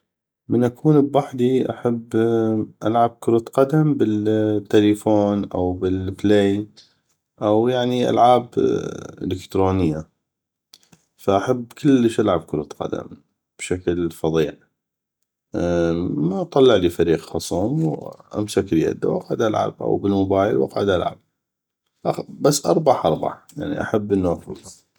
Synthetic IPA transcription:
mənʔakʰuːnbwaħd̪iʔa̰ħabːʔalʕab̚kʊɾut̪qɑd̪ambɪt̪ːalifoːnʔa̰wbɪlfleːn | ʔawjaʕniʔa̰lʕaːbʔɪ̰lɪkt̪ɾoːnɪjːa | faʔaħabːkʰɪlːəʃʔalʕab̚kʊɾt̪qɑ̰d̪a̰m | b̥ʃaklfɑðˤiːʕ | maʔt̪ˤːɑlːɑʕliːfaɾiːqxɑsˤuːmwʔa̰msaklja̰d̪a̰wʔɑqʕad̪ʔalʕa̰b̚ʔa̰wbɪlmʊbaːjlwʔa̰qʕɪd̪ʔalʕa̰b̚ | ʔabasːʔɑɾˤbɑħʔɑɾˤbɑ̰ħja̰ʕnḭʔa̰ħabːʔənːuʔafʊlːɑˤ

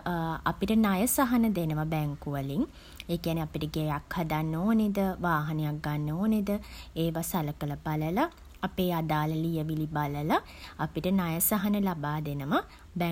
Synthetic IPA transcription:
a̰piʈənajəsaɦɐnəd̪enəʋabɛŋkuʋəliŋ | eːkijaniapiʈəɡejakhad̪anːoːned̪əʋaːɦɐnejak̚ɡanːoːned̪əeːʋasaləkələbaləlaː | peːad̪aːləlijəʋilibaləlaː | piʈənajəsaɦɐnəlabaːd̪enəmə | bɛ

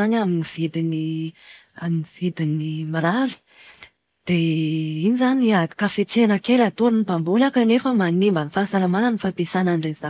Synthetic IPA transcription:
anaminiv̥id̪ini | aminivid̪inimiɾali̥ | d̪̥einizaniakafet͡senəkelat̪uɾinibambulakənefəmanimbanifasalamanənifapesanaɳɖ͡ʐeza

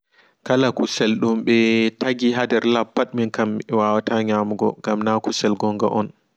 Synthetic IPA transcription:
kalakusɛlɗumɓɛtaɡiɦadɛɾlapːaɗminkamɛwawataɲamuɡɔ̰ŋɡamnakusɛlɡɔŋɡa̰ʔɔn

